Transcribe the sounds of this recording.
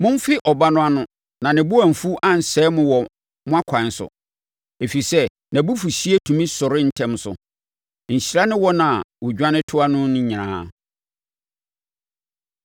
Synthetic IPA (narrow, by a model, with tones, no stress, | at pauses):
mʊ̃˦m˦fɪ˦ʔɔ˨ba˦nʊ̃˦a˦nʊ̃˦ | nã˨nɪ̃˨bʊ˦æ̃˨m̩˨fu˦ʔã˦˨n̩˨sɛː˦mʊ̃˦wɔ˨ | mʊ̃˦a˦kʰã˨n˦sʊ̰˨ | e˨fi˨sɛ˦ | nã˨bu˦fu˨ɕi˦e˦tʰũ˨mĩ˦sʊ˨ɾɪ˦n̩˦tʰɛ̃˦msʊ̰˨ | ɲ̩˨ɕi˨ɾa˦nɪ̃˦wɔ˦nã˨wʊ˨d͡ʑᶣã˦nɪ̃˦tʰʊ˦a˦nʊ̃˦nʊ̃˦ɲi˨nã̰ː˦